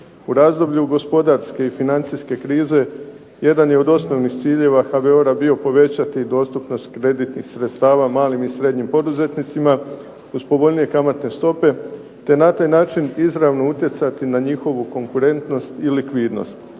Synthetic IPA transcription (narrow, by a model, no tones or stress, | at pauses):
uɾaːzd̪o̞bʎuɡo̞spo̞d̪aɾske̞ifinant̪siske̞kɾiːze̞ | je̞d̪anjeo̞d̪o̞sno̞ʋnixt̪siːʎe̞ʋaxabeoɾabio̞po̞ʋe̞t͡ɕat̪id̪o̞ːst̪upno̞st̪̚kɾe̞d̪it̪nixsɾet̪st̪aːʋamaːlimisɾe̞d̪ɲimpo̞d̪uze̞t̪nit̪sima | uzpoʋo̞ʎnije̞kamat̪ne̞st̪o̞pe̞ | t̪e̞nat̪aːjnaːt͡ʃinizɾaʋno̞ut̪je̞t̪sat̪inaɲixo̞ʋuko̞ŋkuɾe̞nt̪no̞st̪ilikʋiːd̪no̞̰st̪